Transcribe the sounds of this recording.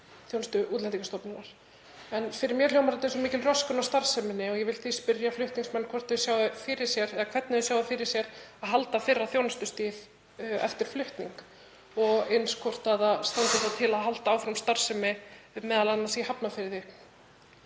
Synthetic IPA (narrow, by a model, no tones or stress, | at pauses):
θjownst̪ʏuːt̪lɛnt̪ikast̪ɔpnɪnaɾ̥ | ɛnfɪɾɪɾmjɛɾljowmaɾɛt̪ɛsɔmiːcɪlrœskʏnawst̪aɾ̥sɛmɪnːɪɔɣjɛvɪlθispɪɾjaflʏht̪niŋksmɛnːkʰɔr̥t̪ðʏsjaːwðɪfɪɾɪ̥sjɛɾɛðakʰvɛt̪nɪðʏsjaːwðɪfɪɾɪɾ̥sjɛɾaðɦalt̪afɪrːaθjownast̪ʏst̪iːv | ɛ̰ft̪ɪɾ̥flʏht̪nḭŋk | ɔɣenskʰɔr̥t̪aðast̪ant̪ɪθat̪ʰɪlaðɦalt̪aaːwfɾamst̪aɾ̥sɛmɪmɛːðalanːasihapnafɪɾðɪ